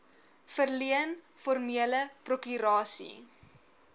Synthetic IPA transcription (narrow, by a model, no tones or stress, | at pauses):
fərliənfɔrmiələprokyɾɑːsḭ